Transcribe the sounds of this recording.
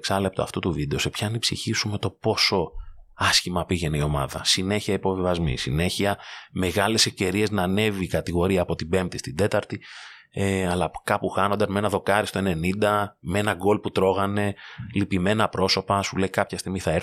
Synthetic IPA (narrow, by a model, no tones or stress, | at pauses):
ksɐle̞p̚t̪oɐ̰ft̪ut̪uvid̪e̞o̞se̞pçɐːnipsḭçisume̞t̪o̞po̞so̞ɐsçimɐpiʝe̞nio̞mɐ̰ðɐ̰sine̞çiɐipo̞vivɐzmḭsḭne̞çiɐmeɣɐle̞se̞fce̞ɾie̞znɐne̞viːkɐt̪iɣo̞ɾiɐːpo̞t̪ibe̞mp̚t̪ist̪id̪e̞t̪ɐɾt̪i | eɐlɐkɐpuxɐno̞nd̪ɐzmee̞nɐðo̞kɐɾist̪o̞e̞ne̞nind̪ɐmeenɐɡo̞lput̪ɾo̞ɣɐne̞lipime̞nɐpɾo̞so̞pɐsule̞ikɐpçɐst̪iɣmiθɐɾ